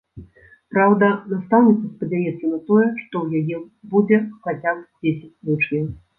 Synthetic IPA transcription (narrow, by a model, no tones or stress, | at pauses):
pɾawd̪ɐnast̪awnʲit̪sɐspɐd͡zʲajɛt̪sɐnɐt̪ɔjɛʂt̪ɔwjajɛ | bud͡zʲɛxat͡sʲap̚d͡zʲesʲɪt͡sʲlʲut͡ʂjʲɛw